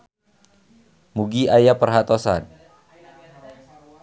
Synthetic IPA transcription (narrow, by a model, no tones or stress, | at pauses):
muɡiajapərɦat̪osa̰n